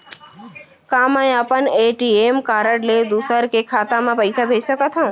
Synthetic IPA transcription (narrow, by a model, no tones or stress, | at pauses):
kamə̃j̃apəneʈiemkaːɾəɽled̪usəɾkekʰat̪amãpəjsʰabʱed͡ʒsəkat̪ʰã